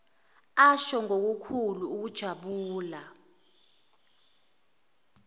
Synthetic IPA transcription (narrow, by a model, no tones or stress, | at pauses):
aʃɔŋok̬ukʰuluːk̬ud̥ʒ̥ʱaɓuːla